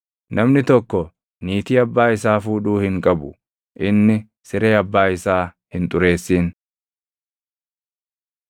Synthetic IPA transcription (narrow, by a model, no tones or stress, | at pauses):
nʔɐmnɪt̪ɔkːɔ | niːt̪iːɐbːaːɪsaːfuːᶑuːhɪŋkʼɐbʊ | ʔɪnːɪ | sɪɾe̞ːɐbːaːɪsaː | hɪnt̪ʼʊɾe̞ːsːiːn